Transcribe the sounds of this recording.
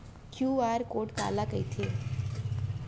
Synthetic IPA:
kjuːaːɾkoːʈka̰ːlakəit̪ʰeː

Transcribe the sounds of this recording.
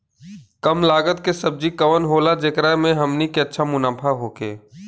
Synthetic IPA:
kəmlaːɡət̪kesəb̚d͡ʒikəʋənɦoːlad͡ʒekɾamẽɦəmnikeətːʃʰamʊnaːpʰaɦoːkḛː

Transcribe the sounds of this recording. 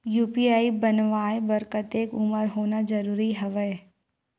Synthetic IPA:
juːpiaːibɐnʋaːebɐɾkət̪eːkʊməɾɦoːnad͡ʒɐɾuːɾiɦɐʋə

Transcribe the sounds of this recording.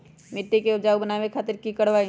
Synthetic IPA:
mɪʈːekeʊd͡ʒaːubənaːʋẽkʰaːt̪ɪɾkikəɽʋaːi

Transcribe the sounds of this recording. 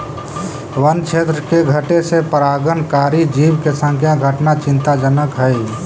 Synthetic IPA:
wənt͡ʃʰet̪ɾəkeɡʱəʈesepəɾaːɡənkaːɾid͡ʒiːwkesə̃ŋkʰjaɡʱəʈnat͡ʃɪ̃nt̪ad͡ʒənəkɦəj

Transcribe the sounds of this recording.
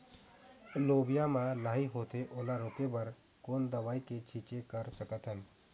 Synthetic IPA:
loːbɪjamãlaːɦiɦoːt̪eʔoːlaɾoːkebəɾ | koːnd̪əʋaːiket͡ʃʰiːt͡ʃekəɾsəkət̪ɦən

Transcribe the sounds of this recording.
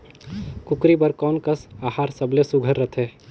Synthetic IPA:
kʊkɾibəɾkɔːnkəsaːɦaːɾsəblesʊɡʱəɾːət̪ʰeː

